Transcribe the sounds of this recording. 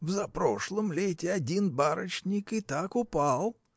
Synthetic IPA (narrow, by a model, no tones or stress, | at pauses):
vzɐpɾo̞ʂlˠəmlʲetʲɪɐdʲinbaɾət͡ɕnʲɪkɨt̪akʊpalˠ